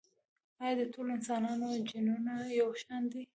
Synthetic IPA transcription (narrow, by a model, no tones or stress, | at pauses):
ɑjɑd̪ətʰoloɪnsɑnɑnod͡ʒinunajawʃand̪i